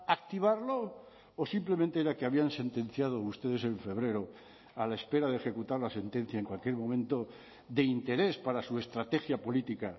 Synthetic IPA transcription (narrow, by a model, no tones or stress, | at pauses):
ak̚t̪iβ̞aɾlo̞ | osimple̞mẽnt̪e̞eɾakeaβianse̞nt̪ẽ̞n̟θjað̞o̞ust̪e̞ð̞ese̞ɱfe̞β̞ɾe̞ɾo̞ | alaespe̞ɾaðexe̞kut̪aɾlase̞nt̪e̞n̟θjaeŋkwalkje̞ɾmõ̞mẽnt̪o̞ | ðe̞int̪e̞ɾe̞spaɾasue̞st̪ɾat̪e̞xjapo̞lit̪ika